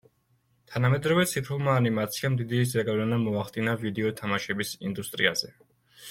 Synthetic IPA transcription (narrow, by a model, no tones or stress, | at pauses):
t̪ʰanamɛd̪ɾɔvɛt̪sʰit̪ʰulˠmaːnimat̪sʰiamd̪id̪izaɡalɛnamɔaχd̪inavid̪ɛɔt̪ʰamaʃɛbisind̪ust̪ʼɾia̰z̥ɛ